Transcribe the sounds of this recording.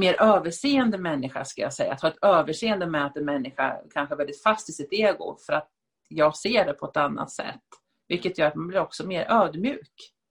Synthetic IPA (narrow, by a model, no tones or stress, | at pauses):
meːɾʔøːvəʂeːənd̪əmɛnːɪɧa̰ʂkaja̰sɛjːa̰t̪hɑːɛt̪øːvəʂeːɛnd̪əmɛat̪ːɛnmɛnːɪɧa̰kʰanɧəɛɾvɛld̪ɪt̪fast̪ɪsɪt̪eːɡʊ̰fœɾat̪ | jɑːɡseːɖɛpʰɔɛt̪anːa̰t̪sɛ̰t̪ː | vɪlkːət̪jœːɾat̪manblɪɾɔksɔmeːɾʔøːd̪mjʉ̟ːk